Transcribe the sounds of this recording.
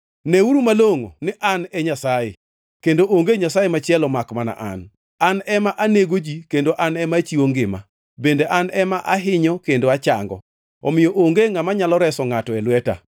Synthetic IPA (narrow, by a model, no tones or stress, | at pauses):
neuɾumaloŋo̰nɪʔanɛɲasaje | kendoʔoŋɡeɲasajemat͡ʃɪɛlɔmakmana̰ʔa̰n | anɛmaʔaneɡod͡ʒikendoʔanɛmat͡ʃiwoŋɡɪma̰ | bendeʔanɛmaʔaɦɪɲɔkendoat͡ʃa̰ŋɡɔ̰ | ɔ̰mɪjɔʔoŋɡeŋamaɲalɔɾɛsɔŋatɔɛlwɛta̰